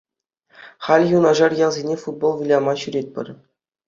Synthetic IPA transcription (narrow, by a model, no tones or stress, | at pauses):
χɑlʲjunɑʐɑrjɑlˠzʲenʲefud̪̚bolˠʋʲilʲɑmɑɕyɾʲet̚ʲpʲɘ̰̆rʲ